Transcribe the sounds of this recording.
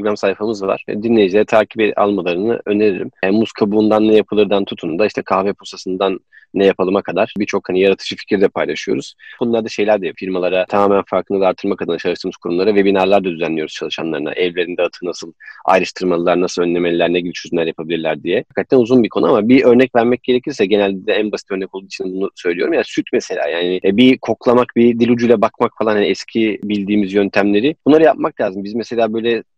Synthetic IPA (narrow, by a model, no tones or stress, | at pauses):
ɾoɡɾamsajfamɯzd̪ava̰ɾ̥vɛ̰d̪inʲejid͡ʒilʲeɾit̪ʰaːcibɛʔa̰lˠmalˠaɾɯnɯ̰ø̞neɾiɾḭmænmːuskʰabuːnd̪anːɛjapʰɯlˠɯɾd̪ant̪ʰut̪ʰund̪aiʃt̪ʰɛkʰaːvɛpʰosasɯnd̪anː | ɛjapʰalˠɯmakʰad̪aɾ̥bit͡ʃʰo̞khanijaɾat̪ʰɯ̥d͡ʒɯfi̥cʰɾd̪ɛpʰajlˠaʃɯjo̞̰ɾuz̥ʰonulˠaɾd̪aʃe̞jlʲæɾd̪ɛjfiɾmalˠaɾat̪ʰamaːmænfaɾkʰɯnad̪aɾt̪ʰɯɾmakʰad̪ɯnat͡ʃʰalˠɯʃt̪ʰɯlmɯzkʰuɾumlˠaɾavebinaɾlˠaɾd̪ad̪yzænlʲːijo̞ɾuz̥t͡ʃʰalˠɯʃa̰nlˠa̰ɾɯna̰ʔɛvlʲe̞ɾind̪ɛat̪ʰɯnasɯlˠa̰jɾɯʃt̪ʰɯɾmalˠlˠaɾnasɯlˠønːʲe̞melʲilʲæɾneɟibʲit͡ʃʰøzynlʲæɾjapʰabilʲiɾlʲæɾd̪ijɛakʰːat̪ʰːænuzunbikʰo̞nuamabiʔø̞ɾnɛcvæɾmɛc̚ɟ̥e̞ɾe̞cʰiɾsɛɟe̞nælʲd̪ʲid̪ɛænbasit̪ʰø̞ɾnɛkod̪uit͡ʃinɛbunusø̞jlʲijo̞ɾumjansyt̪meselʲa̰ːjaːnɪbikʰo̞klˠamak̚bid̪ilʲud͡ʒujlˠabakmakfalˠanhaniɛscʰibilʲd̪iːmizjønt̪ʰæmlʲe̞ɾɪb̥unˠaɾɯjap̚maklʲaːzɯmbizmese̞lʲaːbø̞jlʲɛ